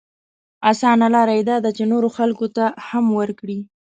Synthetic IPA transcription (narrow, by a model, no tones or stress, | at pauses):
asɑnalɑɾajd̪ɑd̪at͡ʃenoɾoxalkot̪ahamwəɾkɽi